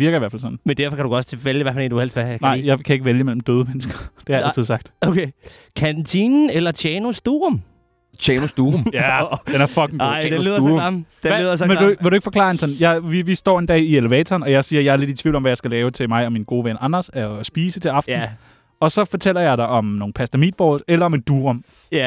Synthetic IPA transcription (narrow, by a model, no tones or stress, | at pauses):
ʋiɐ̥ɐiʋæɐ̰fælsɒ̽n̥n̩mend̥æɐfɒkʰæɾuɡɒt͡sʰeʋeljəʋæɐfælenduel̰sʋænɑ̈ɪ̰jɑɪkʰæe̝ɡəʋeljəmel̰m̩d̥øːð̞ˠəmenəsɡ̥ɐd̥e̝hæɐælʰið̰ˠsɑ̈ɡ̥̚d̥okʰe | kʰænt͡sʰinn̩elɐt͡ɕʰjɛnosd̥uːʁom | t͡ɕʰɛnosd̥umjæ̥enæɐfɒ̽ɡ̥ŋ̩ɡo̰dðˠd̥eðˠɐsmenʋeɾueɡ̥fɒ̽kʰlɑ̰̈ːensɛnjɑɪʋiʋisd̥ɒ̰ːe̝nd̥ɛ̰ːieleʋɛ̰ːt͡sʰɐːnɒ̽jɑɪsiːɐjɑɪæɐle̝di̥t͡sʰʋḭʊlɒ̽mʋæjɑ̈ɪsɡ̥ælɛːʊt͡sʰe̝lmɑ̈ɪɒ̽minɡ̥o̝ːʋenɑ̈nɐsæsb̥iːsət͡sʰe̝lɑ̈fdn̩ | ɒ̽sɒ̽fɒ̽t͡sʰel̰ɐjɑ̈ɪɾ̥ɑ̈ʔɒ̽mno̝ːŋ̩pʰæsd̥æmḭd̥̚b̥ɒ̥ːelɐɒ̽me̝d̥ːuːʁom